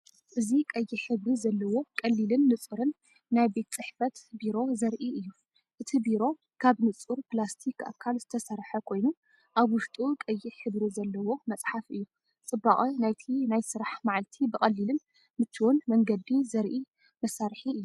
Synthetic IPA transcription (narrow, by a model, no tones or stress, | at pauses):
ʔɨzikʼɐjːiħɨβɾizɐlːɐwo̞kʼɐlːilɨnːɨt͡sʼɨɾɨnː | ajbe̞t̪t͡sʼɨħfɐt̪biɾo̞zɐɾʔiʔɨjːu | ʔɨt̪ʰibiɾo̞ | kʰaβnɨt͡sʼuɾplast̪ʰikʰa̰kʰːalz̥ɨt̪ʰɐsɐɾħɐkʰo̞jnu | ʔaβwʊʃt̪ʼukʼɐjːiħɨβɾizɐlːɐwo̞mɐt͡sʼħafʔɨjːu | t͡sʼɨbːaʔʼinajt̪ʰinajsɨɾaħmaʕalt̪ʰibɨkʼɐlːilɨn | mɨt̪ʰːiwɔnmɐŋɡɐd̪izɐɾʔi | mɐsaɾħiɨjːu